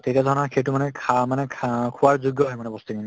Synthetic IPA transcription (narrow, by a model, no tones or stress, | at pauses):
tetiadʱɔɹɔnakʰejtumanɛkʰamanɛkʰkʰuwaɹzuɡjɔɦɔjmanɛbɔstikini